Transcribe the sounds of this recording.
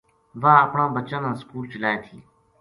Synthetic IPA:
baːʔapɽɐmbɐt͡ʃːɐnɐnskuːlt͡ʃilaːtʰiː

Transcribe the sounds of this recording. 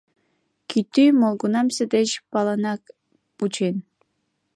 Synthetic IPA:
kʲyt̪ːymolˠɡunɑmsʲɘ̆d̪et͡ɕpɑlˠɑnɑk | put͡ɕʰen

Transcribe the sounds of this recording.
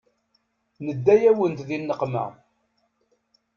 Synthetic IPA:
nəd̪ːæjæwənt̪ðinːəqmə̰ʁ

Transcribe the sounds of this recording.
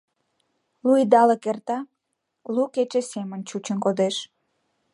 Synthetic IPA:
lujd̪ɑləkert̪ɑ | luket͡ɕesemənt͡ɕut͡ɕənkod̪eʃ

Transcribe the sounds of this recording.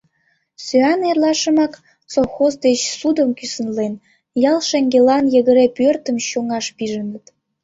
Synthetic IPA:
søɑnerlɑʃə̆mɑk | soxozd̪et͡ɕsud̪əmkysənlen | jɑlˠʃeŋɡelɑnjəɣəɾepørt̪əmɕoŋɑʃpiʒənət̪

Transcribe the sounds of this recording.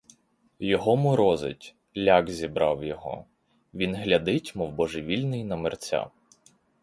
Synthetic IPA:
jɔɦɔmʊɾɔzɪ̰tʲ | lʲaɡzʲibɾɑwjɔɦɔ̰ | ʋʲinɦlʲɐd̪ɪtʲmɔwbɔʒɪʋʲilʲnɪjnɐmɪrt͡sʲa̰

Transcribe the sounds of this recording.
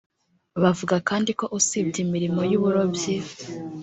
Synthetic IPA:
βavuɡakaːndiko̞ʔusibɟimiɾimo̞juβuɾobji

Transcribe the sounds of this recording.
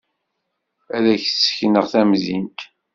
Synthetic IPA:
æðæçsçnəʁθæmzint̪

